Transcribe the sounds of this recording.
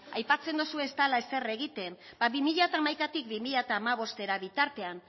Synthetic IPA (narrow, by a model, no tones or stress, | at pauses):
ajpat͡se̞nd̪osue̞st̪alae̞se̞re̞ɣ̞it̪e̞mbaβimiʎat̪aːmajkat̪ik̚bimiʎat̪aːmaβ̞o̞st̪e̞ɾaβit̪aɾt̪e̞an